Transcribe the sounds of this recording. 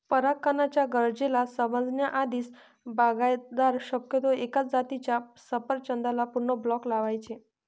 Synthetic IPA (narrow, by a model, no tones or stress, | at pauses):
pəɾakːənat͡ɕjaɡəɾd͡ʑelasəməd͡znjaʔad̪iːs | baɡajd̪aɾɕəkjət̪oekat͡sd͡zat̪it͡ɕjasəpəɾt͡ɕənd̪alapuɾɳəblɔklaʋajt͡ɕe